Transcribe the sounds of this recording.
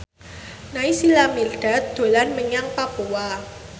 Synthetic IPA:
naisilamirɖ̥a̤t̪̚d̪̥o̤lanməɲaŋpapuwa

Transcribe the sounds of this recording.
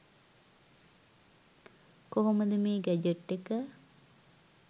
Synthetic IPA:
koɦoməd̪əmeːɡæd͡ʒəʈːekə

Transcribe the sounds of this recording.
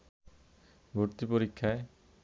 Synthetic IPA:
bʱuɾt̪ipoɾikʰːjae

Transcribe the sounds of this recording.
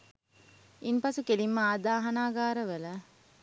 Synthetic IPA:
inpɐsukelimːəaːd̪aːɦɐnaːɡaːɾɐʋɐlɐ

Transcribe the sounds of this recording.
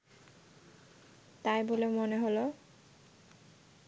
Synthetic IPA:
t̪ajboleomoneɦolo

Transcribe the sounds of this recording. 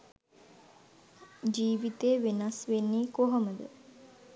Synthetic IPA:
d͡ʒiːʋit̪eːʋenasʋenːiːkoɦəməd̪ə̰

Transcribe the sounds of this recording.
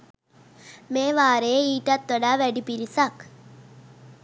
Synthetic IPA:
meːʋaːɾejeiːʈat̪ʋəɖaːʋæɖipiɾisak

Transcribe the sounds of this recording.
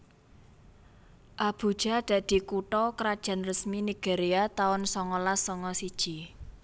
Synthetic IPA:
ʔab̥ṳd̥ʒ̥a̤d̪̥ä̤d̪̥i̤kuʈɔkɾad̥ʒ̥a̤nrəsminiɡ̥eɾiat̪aʊnsɔŋɔlasɔŋɔsid̥ʒ̥i

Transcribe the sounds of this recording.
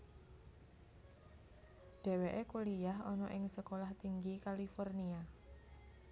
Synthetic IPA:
ɖ̥e̤weʔekulijaɦɔnɔʔɪŋsəkolaht̪iŋɡikalifɔrnia

